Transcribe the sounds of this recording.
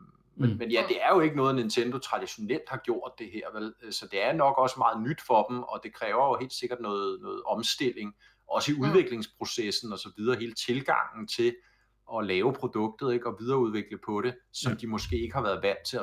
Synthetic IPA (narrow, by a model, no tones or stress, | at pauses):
menmenjæd̥e̝æɐjo̝e̝ɡ̥ənɔ̽ːð̩ˠene̝nt͡sʰend̥o̝t͡sʰʁɑ̈d̥iɕo̝nel̰d̥hɑ̈ɡ̥jo̝ɐ̰d̥ːe̝ɦeɐ̰ʋelsɒ̽d̥e̝æɐnɒ̽ɡ̥ɒ̽səmɑ̈ːð̩ˠnyd̥fɒ̽d̥m̩ɒ̽d̥e̝kʰʁɛːʊɐjo̝he̝̰ːld̥se̝ɡ̥ɐd̥nɔ̽ːð̩ˠnɔ̽ːð̩ˠɒ̽msd̥e̝l̰e̝ŋ | ʔɒ̽səiuð̞ˠʋe̝ɡ̥le̝ŋspʰʁo̝sesn̩ɒ̽sɒ̽ʋið̞ˠɐːɦe̝ːlət͡sʰe̝lɡ̥ɑ̈ŋ̰n̩t͡sʰe̝ | ʔɒ̽lɛːʊpʰʁo̝d̥ɔ̽ɡ̥̚d̥ð̩ˠe̝ɡ̥ɒ̽ʋiðˠɐuð̞ˠʋe̝ɡ̥ləpʰɒ̽ɾe̝sɒ̽md̥imɔ̽sɡ̥e̝̰ːe̝ɡ̥əhɑ̈ʋæːɐð̞ˠʋæn̰d̥t͡sʰe̝